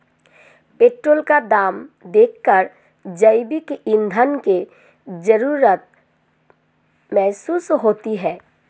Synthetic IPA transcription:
peːʈɾoːlkad̪aːmd̪eːkʰːəɾ | d͡ʒəɪbɪkɪ̃nd̪ʱənke | d͡ʒəɾuːɾət̪̚ | mɛɦsuːsɦoːt̪iɦɛː

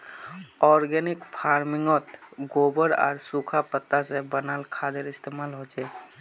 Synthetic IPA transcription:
ɔɾɡɛnikpʰaɾmiŋɔt̪ɡobəɾa̰ːɾsukʰapət̪ːasebənalkʰad̪eɾist̪emalɦod͡ʒɛ

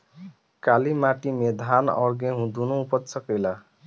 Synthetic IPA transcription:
kalimaʈimed̪ʱanʌ̰ɾɡẽɦũd̪unoupʌt̪sʌkela

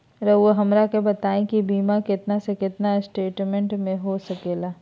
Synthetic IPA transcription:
ɾɐoɦɐmɾakebɐt̪aːẽkibiːmakɪt̪nasekɪt̪nasʈeːʈmẽɳʈmẽɦosɐkeːlaː

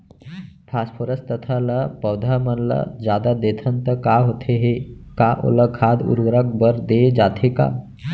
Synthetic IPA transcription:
pʰaspʰoɾəst̪ət̪ʰaləpəwd̪ʱamənlə̰d͡ʒjaːd̪ad̪et̪ʰənt̪əkaɦot̪ʰeɦekaʔo̰ləkʰad̪ṵɾʋɾək̚bəɾd̪ed͡ʒaːt̪ʰeka̰ː

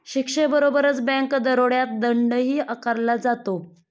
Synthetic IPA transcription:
ɕikʂebəɾobəɾət͡sbə̃ŋkd̪əɾoɽjat̪̚d̪əɳɖəɦiːʔəkaɾlad͡zat̪o

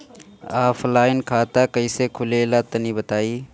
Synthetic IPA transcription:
aːflaːɪnkʰaːt̪aːkəiːseːkʰʊleːlaːt̪əniːbət̪aːiː

